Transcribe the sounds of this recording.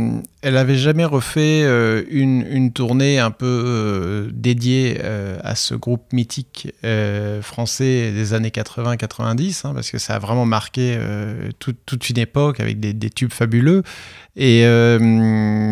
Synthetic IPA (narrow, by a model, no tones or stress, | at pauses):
ɛlavɛʒamɛʁəfɛøynynt̪uʁneɛ̃pø | d̪ed̪jeøa̰sə̰ɡʁup̚mit̪ʰikøfχɑ̃sɛd̪ezanekat̪χəvɛ̃kat̪χəvɛ̃d̪isɛ̃pa̰ʁsə̥kəsa̰ːvʁɛmɑ̃maʁkʲeø̰t̪ʰut̪ːut̪ʰynepɔka̰vɛ̰k̚d̪ed̪et̪ybfabyløeøm